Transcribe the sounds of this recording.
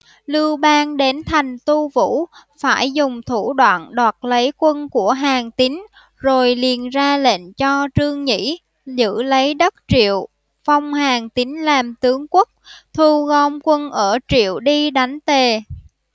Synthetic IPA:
lɨ˧wɓaː˧nɗe˨˦nt̪ʰa˨˩jŋ̟t̪u˧vṵ˧˥faː˧˩jzʊ˨˩ŋ͡mt̪ʰu˧˩ɗwa̰ː˧˨nɗwaː˨˩t̚lə˨˦jkwə˧nku˧˩əɦaː˨˩ŋt̪i˨˦ŋ | zo˨˩jli˨˩ənzaː˧lḛ˧˨nt͡ɕɔ˧t͡ɕɨ˧əŋɲḭ˧˥ | zɨ̰˧˥lə˨˦jɗə˦˥t̚t͡ɕḭ˧˨əw | fa˧wŋ͡mhaː˨˩ŋt̪ï˨˦ŋ̟laː˨˩mt̪ɨ˨˦əŋkwə˦˥k̚t̪ʰu˧ɣɔ˧mkwə˧nʔəː˧˩t͡ɕḭ˧˨əwɗi˧ɗa˨˦jŋ̟t̪e˨˩

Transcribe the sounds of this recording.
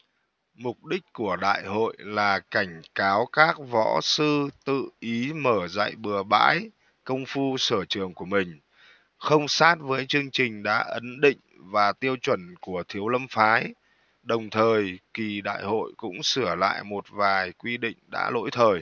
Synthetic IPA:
mʊ˨˩k͡p̚ɗï˦˥k̟̚ku˧˩əɗa̰ː˧˨jho̰˧˨jlaː˨˩ka˧˩jŋ̟kaː˨˦wkaː˦˥k̚vɔ̰˧˥sɨ˧t̪ɨ̰˧˨ʔi˨˦məː˧˩za̰ː˧˨jɓɨ˨˩əɓa̰ː˧˥j | kə˧wŋ͡mfu˧səː˧˩t͡ɕɨ˨˩əŋku˧˩əmï˨˩ŋ̟ | xə˧wŋ͡msaː˦˥t̚vəː˨˦jt͡ɕɨ˧əŋt͡ɕï˨˩ŋ̟ɗa̰ː˧˥ʔə˨˦nɗḭ̈˧˨ŋ̟vaː˨˩t̪i˧əwt͡ɕwə˧˩nku˧˩ət̪ʰi˨˦əwlə˧mfaː˨˦j | ɗə˨˩wŋ͡mt̪ʰəː˨˩jki˨˩ɗa̰ː˧˨jho̰˧˨jkʊ̰˧˥ŋ͡msɨ˧˩əla̰ː˧˨jmo˨˩t̚vaː˨˩jkwi˧ɗḭ˧˨ŋ̟ɗa̰ː˧˥lo̰˧˥jt̪ʰəː˨˩j

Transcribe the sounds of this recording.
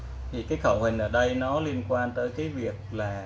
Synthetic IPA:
t̪ʰi˨˩kaː˨˦jxə˧˩whï˨˩ŋ̟ʔəː˧˩ɗə˧jnɔ˨˦li˧ənkwaː˧nt̪əː˨˦jkaː˨˦jvi˨˩ək̚laː˨˩

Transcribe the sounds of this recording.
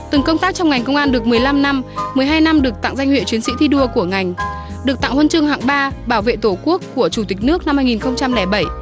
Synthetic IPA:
t̪ɨ˨˩ŋkə˧wŋ͡mt̪aː˦˥k̚t͡ɕɔ˧wŋ͡mŋa˨˩jŋ̟kə˧wŋ͡mʔaː˧nɗɨ˨˩ək̚mɨ˨˩əjla˧mna˧mmɨ˨˩əjɦaː˧jna˧mɗɨ˨˩ək̚t̪a̰˧˨ŋza˧jŋ̟hwḭ˧˨t͡ɕwi˨˦ənsḭ˧˥t̪ʰi˧ɗu˧əku˧˩əŋa˨˩jŋ̟ | ɗɨ˨˩ək̚t̪a̰˧˨ŋhwə˧nt͡ɕɨ˧əŋhɦa̰ː˧˨ŋɓaː˧ɓaː˧˩wvḛ˧˨t̪o˧˩ku˦˥əkːu˧˩ət͡ɕu˧˩t̪ï˨˩k̟̚nɨ˦˥ək̚na˧mːaː˧jŋi˨˩nxə˧wŋ͡mt͡ɕa˧mlɛ˧˩ɓə˧˩j

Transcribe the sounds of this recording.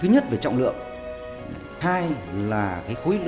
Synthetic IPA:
ɨ˨˦ɲə˦˥t̚ve˧˩t͡ɕɔ̰˧˨wŋ͡mlɨ̰˧˨əŋ˨ | haː˧jlaː˨˩kaː˨˦jxu˨˦jl

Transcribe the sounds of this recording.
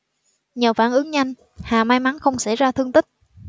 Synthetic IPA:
ɲəː˨˩faː˧˩nʔɨ˨˦əŋɲa˧jŋ | haː˨˩maː˧jma˨˦nxə˧wŋ͡msa˧˩jzaː˧t̪ʰɨ˧əŋt̪ï˦˥k̚

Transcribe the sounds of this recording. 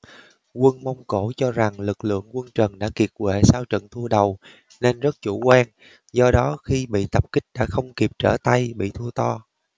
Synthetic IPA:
kwə˧nma˧wŋ͡mko˧˩t͡ɕɔ˧za˨˩ŋlɨ˨˩k̚lɨ̰˧˨əŋkwə˧nt͡ɕə˨˩nɗa̰ː˧˥ki˨˩ət̚kwḛ˧˨saː˧wt͡ɕə̰˧˨nt̪ʰu˧əɗə˨˩w | ne˧nzə˦˥t̚t͡ɕu˧˩kwaː˧n | zɔ˧ɗɔ˨˦xi˧ɓḭ˧˨t̪ə˨˩p̚kï˦˥k̟̚ɗa̰ː˧˥xə˧wŋ͡mki˨˩p̚t͡ɕə̰ː˧˩t̪a˧jɓḭ˧˨t̪ʰu˧ət̪ɔ˧

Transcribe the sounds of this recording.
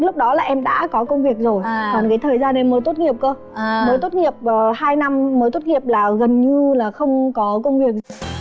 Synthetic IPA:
lʊ˦˥k͡p̚ɗɔ˨˦laː˨˩ʔɛ˧mɗa̰ː˧˥kɔ˨˦kə˧wŋ͡mvi˨˩ək̚zo˨˩jɔ˨˩nkaː˨˦jt̪ʰəː˨˩jzaː˧nːe˨˧˦nməː˨˦jt̪o˦˥t̚ŋi˨˩əp̚kə˧ | məː˨˦jt̪o˦˥t̚ŋi˨˩əp̚əː˨˩haː˧jna˧mːəː˨˦jt̪o˦˥t̚ŋi˨˩əp̚laː˨˩ɣə˨˩nɲɨ˧laː˨˩xə˧wŋ͡mkɔ˨˦kə˧wŋ͡mvi˨˩ək̚

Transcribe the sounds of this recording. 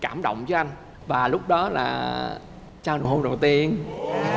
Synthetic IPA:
kaː˧˩mɗə̰˧˨wŋ͡mt͡ɕɔ˨˦ʔa˧jŋ̟ | vaː˨˩lʊ˦˥k͡p̚ɗɔ˨˦la̰ː˨˩ | t͡ɕaː˧no̰˨˩ho˧˩ɗə˨˩wt̪i˧ən

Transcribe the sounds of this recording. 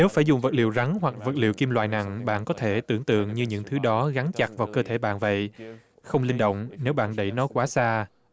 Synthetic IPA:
ne˨˦wfaː˧˩jzʊ˨˩ŋ͡mvə˨˩t̚lḭ˧˨wza˨˦ŋɦwa˨˩k̚və˨˩t̚lḭ˧˨əwki˧mlwa̰ː˧˨jna̰˧˨ŋɓa̰ː˧˨nkɔ˨˦t̪ʰe˧˩t̪ɨ˧˩əŋt̪ɨ̰˧˨əŋɲɨ˧ɲɨ̰˧˥ŋt̪ʰɨ˨˦ɗɔ˨˦ɣa˨˦nt͡ɕa˨˩k̚vaː˨˩wkəː˧t̪ʰe˧˩ɓa̰ː˧˨nvə̰˧˨j | xə˧wŋ͡mlï˧ŋɗo̰˧˨wŋ͡mne˨˦wɓa̰ː˧˨nɗə˧˩jnɔ˨˦jkwaː˨˦saː˧

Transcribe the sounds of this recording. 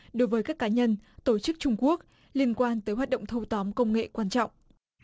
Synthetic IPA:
ɗo˨˦jvəː˨˦jkaː˦˥kːaː˨˦ɲə˧nt̪o˧˩t͡ɕɨ˦˥k̚t͡ɕʊ˧ŋ͡mku˦˥ək̚ | li˧ənkwaː˧nt̪əː˨˦jɦwaː˨˩t̚ɗə̰˧˨ŋ͡mt̪ʰə˧wt̪ɔ˨˦mkə˧wŋ͡mŋḛ˧˨kwaː˧nt͡ɕɔ̰˧˨wŋ͡m

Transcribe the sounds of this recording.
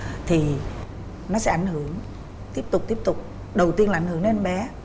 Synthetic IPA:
t̪ʰi˨˩ | nɔ˨˦sɛ̰˨˦ʔa˧˩jŋ̟hɨ˧˩əŋ | t̪i˦˥əp̚t̪ʊ˨˩k͡p̚t̪i˦˥əp̚t̪ʊ˨˩k͡p̚ | ɗə˨˩wt̪i˧ənlːa˨˧˦ŋhə˦ŋne˧nɓɛ˨˦

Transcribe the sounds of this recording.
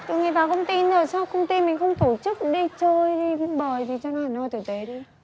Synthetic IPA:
t̪u˧˨˦ŋaː˨˩vaː˨˩kə˧wŋ͡mt̪i˧nəː˨˩sa˧wkə˧wŋ͡mt̪i˧mï˨˩ŋ̟xə˧wŋ͡mt̪o˧˩t͡ɕɨ˦˥k̚ɗi˧t͡ɕəː˧jɗi˧ɓəː˨˩jt̪ʰi˨˩t͡ɕɔ˧naː˨˩˨nɔ˧˩jt̪ʰɨ˨˧˩t̪e˨˦ɗi˧

